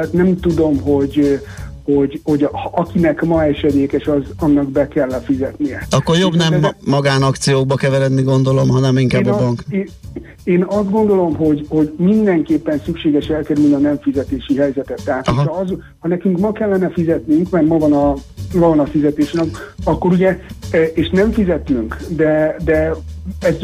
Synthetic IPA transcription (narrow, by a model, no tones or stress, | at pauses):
at̪nɛmt̪ud̪o̞mɦo̞ɟ | ho̞ɟho̞ɟhɒkinɛkmɒɛʃɛd̪eːkɛʃɒzɒnːɒɡbɛkɛlːɛfizɛt̪nijɛɒkːo̞ɾjobnɛmːɒɡaːnɒkt̪sijoːɡ̚bɒkɛvɛɾɛd̪niɡo̞nd̪o̞lo̞mɦɒnɛmiŋkaːbːɒbɒŋkeː | eːnɒzd̪̚ɡo̞nd̪o̞lo̞mɦo̞ɟho̞ɟmind̪ɛŋkeːpːɛnsykʃeːɡɛʃɛlkɛɾylniɒnɛɱfizɛt̪eːʃiɦɛjzɛt̪ɛt̪ːɛɦaːt̪ɒz | hɒnɛkyŋkmɒkɛlːɛnɛfizɛt̪nyŋkmɛrmɒvɒnɒvɒvɒnɒfizɛt̪eːʃnɛkɒkːo̞ɾuɟɛeːʃnɛɱfizɛt̪nyŋkd̪ɛd̪ɛɛz